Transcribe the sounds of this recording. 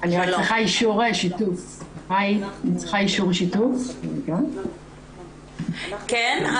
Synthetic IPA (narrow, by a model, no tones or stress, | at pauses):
aniʁakt͡sliχaiʃuʁeʃitufʁajnit͡sli̥χaiʃuʁʃitufken | k